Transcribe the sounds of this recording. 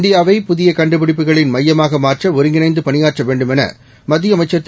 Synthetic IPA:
nd̪ɪjaːʋɐɪpʊðɪjɐkɐɳɖɯpɪɽɪp̬ːɯɣɐɭɪnmɐjːɐmaːɣɐmaːrʈrɐɔɾɪŋɡɪnɐɪnd̪ɯpɐnɪjaːʈrɐʋeːɳɖɯmɛnɐ̰ | mɐðːɪjɐmɐɪt͡ʃːɐt̪ː

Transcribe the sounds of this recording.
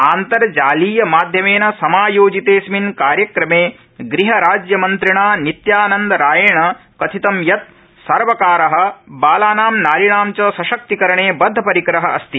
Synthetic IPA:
aːnt̪ɐɾɐd͡ʒaːliːjɐmaːd̪ʱjɐmeːnɐsɐmaːjoːd͡ʒit̪eːsminkaːɾjɐkɾɐmeː | ɡɾiɦɐɾaːd͡ʒjɐmɐnt̪ɾiɳaːnit̪jaːnɐnd̪ɐɾaːjɐːɳɐkɐt̪ʰit̪ɐmjɐt̪̚ | sɐɾʋɐkaːɾɐɦɐ̆baːlaːnaːmnaːliɳaːmt͡ʃɐsɐʃɐk̚t̪ikɐɾɐɳeːbɐd̪ʱːɐpɐɾikɾɐɦɐʔɐst̪i

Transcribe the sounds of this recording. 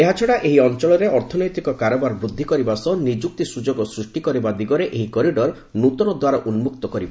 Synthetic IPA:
eɦat͡ʃʰɔɽaʔeɦiɔnt͡ʃɔɭɔɾeʔɔɾt̪ʰɔnɔjt̪ikɔkaɾɔbaɾbɾud̪ʱːikɔɾibasɔnid͡ʒuk̚t̪isud͡ʒoɡɔsɾusʈikɔɾibad̪iɡɔɾeʔeɦikɔɾiɖɔɾ | nut̪ɔnɔd̪waɾaʔunmuk̚t̪ɔkɔɾiba

